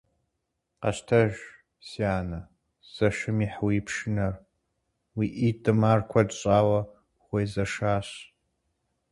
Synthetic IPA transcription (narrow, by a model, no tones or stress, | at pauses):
qɐ̰ɕtʰɐʒ | siaːnɐ | z̥ɐʃɨmiːħwiːpʰʂɨnɐr | wiːʔidʼɨmaːrkʷʰɐdɕʼaːwɐ | ʁʷejzɐʂaːɕ